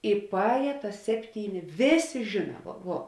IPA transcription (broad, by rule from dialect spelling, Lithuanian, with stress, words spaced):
ɪ pɐˈɛːjɛ tɐs ˈsʲæːpʲˌtʲiːˌnʲɪ ˈʋʲeːˌsʲeː ˈʒʲɪnɐ ˈʋuɔ